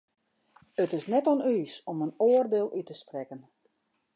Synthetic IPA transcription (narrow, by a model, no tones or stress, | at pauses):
ətɪsnɛtɔnyːsomənoːərdeːlˠʔytəsprɛkən